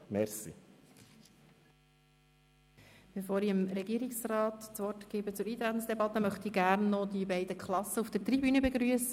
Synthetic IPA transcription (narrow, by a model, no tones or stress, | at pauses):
mɛɾsḭ | b̥efoːɾiəmɾɛɡiːəɾiksrɑːt̪t͡sʋɔrtɡ̥eːbət͡sʊɾiːt̪ɾæt̪ən̩sd̥̪ɛbɑt̪ːəmœχt̪iɡæɾnːɔd̪ibɛɪdəkχlɑsːəufd̥ətɾibyːnəbeɡɾyəsə